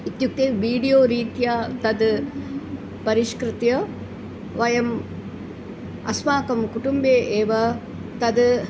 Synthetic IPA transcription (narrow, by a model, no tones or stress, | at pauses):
it̪juk̚t̪eːʋiːɖijoːɾiːt̪jaːt̪ɐd̪ | pɐɾiʃkɾɪt̪jɐ | ʋɐjɐm | ɐ̰smaːkɐmkuʈumbeːʔeːʋɐ | t̪ɐd̪